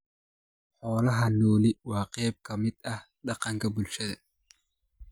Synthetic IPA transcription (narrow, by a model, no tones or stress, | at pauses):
ħɔːlɐɦɐnɔːlɪwɑːqɛjb̚kʰɐmɪd̪ɐh | ɖɑqɑŋkʰɐbʊlʃɐðɐ